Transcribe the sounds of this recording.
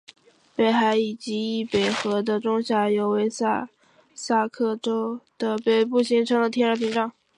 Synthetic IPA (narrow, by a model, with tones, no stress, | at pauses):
pe˨˩ɪxa˧˥ɪi˨˩t͡ɕi˧˥i˥˩pe˨˩ɪxɤ˧˥d̪ə˧ʈ͡ʂʊ˥ŋɕja˥˩jo˧˩ʊwe˧˥ɪsa˥˧ | sa˥˧kʰɤ˥˩ʈ͡ʂo˥ʊd̪̥ə˨pe˨˧˩ɪpu˥˩ɕi˧˥ŋʈ͡ʂʰɤ˥ŋlə˨t̪ʰjɛ˥nə˞˧˥pʰi˧˥ŋʈ͡ʂɑ˥˩ŋ